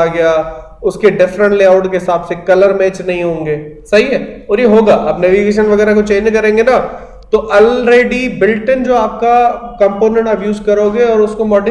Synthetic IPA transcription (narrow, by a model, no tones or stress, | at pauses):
aɡɐja | ʊskeɖɪfɾə̃ɳʈleːaːʊʈkeɦɪsaːbsekɐləɾmɛːt͡ʃnɐɦĩɦõːŋɡeːsɐɦiɦɛːɔːɾjeɦoːɡaːʔɐbnɛːʋiɡeːʃ̬ənʋɐɡɛːɾakot͡ʃeːnd͡ʒkɐɾẽːŋɡena | t̪oʔɐlɾeːɖibɪlʈɪ̃nd͡ʒoːaːp̚kakɐ̃mpoːnẽɳʈɐbjuːzkɐɾoːɡeɔːɾʊskomɔːɖɪ